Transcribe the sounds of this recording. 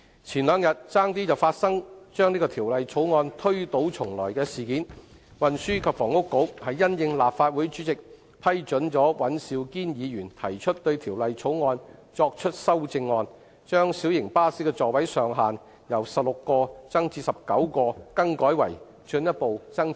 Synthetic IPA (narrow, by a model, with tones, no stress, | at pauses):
t͡sʰiː˨˩nlœː˨˧ŋjɐ˨t̚t͡saː˥ŋt̪iː˥t͡sɐ˨wfaː˧t̚sɐ˥ŋt͡ʃœː˥ŋniː˥kɔː˧t̪ʰiː˨˩wlɐ˨jt͡sʰo˨˥wŋɔː˧nt̪ʰɵ˥ɥt̪o˨˥wt͡sʰʊ˨˩ŋlɔː˨˩jkɛː˧siː˨˩kiː˨˥n | wɐ˨nsyː˥kʰɐ˨pfɔː˨˩ŋʊ˥kːo˨˥whɐ˨jːɐ˥njɪ˧ŋlaː˨p̚faː˧t̚wu˨˥jt͡ʃyː˨˥t͡sɪ˨k̚ | pʰɐ˥jt͡ʃɵ˨˥nt͡ʃɔː˨˥wɐ˨˥nsiː˧wkiː˥njiː˨˧ɥyː˨˩nt̪ʰɐ˨˩jt͡ʃʰɵ˥t̚t̪ɵ˧ɥt̪ʰiː˨˩wlɐ˨jt͡sʰo˨˥wŋɔː˧nt͡ʃɔː˧k̚t͡ʃʰɵ˥t̚sɐ˥wt͡sɪ˧ŋːɔː˧n | t͡ʃœː˥ŋsi˨˥wjɪ˨˩ŋpaː˥siː˥kɛ˧t͡sɔː˨˩wɐ˨˥jsœː˨˧ŋɦaː˨n | jɐ˨˩wsɐ˨p̚lʊ˨kːɔː˧t͡sɐ˥ŋt͡siː˧sɐ˨p̚kɐ˨˥wkɔː˧kɐ˥ŋkɔː˨˥jwɐ̰˨˩j | t͡ʃɵ˧njɐ˥t̚po˨wt͡sɐ˥ŋ